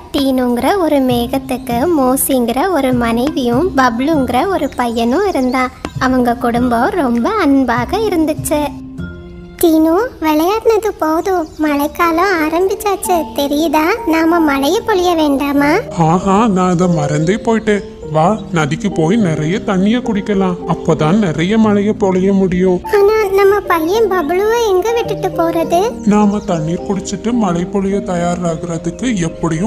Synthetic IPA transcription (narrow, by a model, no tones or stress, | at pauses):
t̪iːnɯŋɡɪɾɐɔɾɯmeːɣɐt̪ːɯkːɯmoːsiŋɡɪɾɐɔɾɯmɐnɐɪʋɪjʊ̃bɐbɭɯŋɡɪɾɐɔɾɯpɐjɐnʊ̃ɪɾɯnd̪ãːɐʋɐŋɡɐkʊɽʊmbɐ̃ɾɔmbɐɐnbaːɣɐɪɾɯnd̪ɯt͡ʃːɯ | t̪iːnuːʋɛɭɐjaːɾnɐðɯpoːðʊ̃mɐɭɐɪkːaːlʊ̃aːɾɐmbɪt͡ʃːaːt͡ʃːɯt̪ɛɾɪjɐðãːnaːmɐmɐɭɐjɐpːɔɭɪjɐʋeːɳɖaːmaːaːɦaːnãːɐðɐmɐɾɐnd̪ɐɪpoːjʈːẽː | ʋaːnɐðɪkːɯpoːjnɪɾɐjɐt̪ɐɳːɪjɐkʊɽɪkːɐlãːɐpːoːt̪ãːnnɪɾɐjɐmɐɭɐjɐpɔɭɐjɐmʊɽɪjʊ̃ːaːnaːnɐmːɐpɐljɐmbɐbɐɭɯʋɐɛŋɡɐʋɪʈːɯʈːɯpoːɾɐðɯnaːmɐt̪ɐɳːiːɾkʊɽɪt͡ʃːɯʈːɯmɐɭɐɪpːɔɭɪjɐt̪ɐjaːɾaːɣɪɾɐðɯkːɯɛpːɐɽɪjɯ̃